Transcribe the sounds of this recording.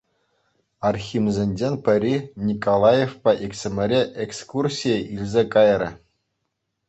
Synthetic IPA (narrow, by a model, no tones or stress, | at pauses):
ɑrxʲimzʲenʲd͡ʑenʲpʲɘ̆ɾʲinʲikolˠɑjefpɑʔiksʲɘ̆mʲɘ̆ɾʲeʔekskursʲijeʔilʲzʲekɑjɾʲɘ̰̆